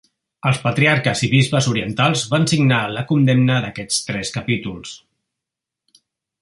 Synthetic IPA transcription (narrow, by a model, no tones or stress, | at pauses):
əlˠspət̪ɾiaɾkəziβizβəzuɾiənt̪alˠzβansiɡnaləkund̪emnəðəkɛt͡st̪ɾɛskəpit̪ulˠs